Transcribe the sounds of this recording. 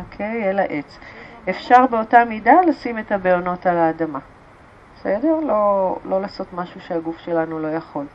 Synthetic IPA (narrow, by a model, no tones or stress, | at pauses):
okʰejelaʔet͡sefʃaʁbeo̞tamidalasime̞tabelono̞talaːdama | besedeʁlo̞lo̞laso̞tmaʃuʃeaɡufʃe̞lanulo̞jaχo̞l